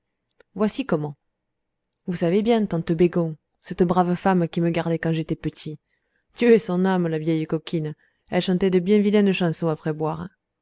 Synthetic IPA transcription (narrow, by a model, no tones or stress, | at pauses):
vwasikɔmɑ̃ | vusavebjɛ̃t̪ɑ̃t̪əbeɡɔ̃ | sɛt̪əbʁavəfamkʲiməɡaʁd̪ɛkɑ̃ʒet̪ɛpət̪ʰi | t̪yøɛsɔ̃namlavjɛjəkɔkʰin | ɛlʃɑ̃t̪ɛd̪əbjɛ̃vilɛ̃d̪əʃɑ̃sɔ̃apχɛbwaʁ